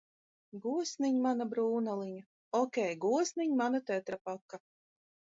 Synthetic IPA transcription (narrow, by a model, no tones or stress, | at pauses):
ɡuɔsniɲmanabɾuːnalˠiɲa | ɔkʲɛjɡuɔsniɲmanat̪ɛt̪ɾapɔkːa